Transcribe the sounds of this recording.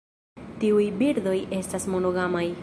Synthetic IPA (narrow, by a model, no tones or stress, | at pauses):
tiujbiɾd̪o̞jʔe̞stasmo̞no̞ɡamaj